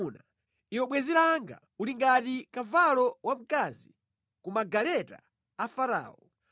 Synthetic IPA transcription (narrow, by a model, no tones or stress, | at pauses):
na | iwɔɓwɛziɾaŋɡa̰ | uliŋɡatikavalɔwam̩kazi | kumaɡalɛta̰ː | faɾa̰ːɔ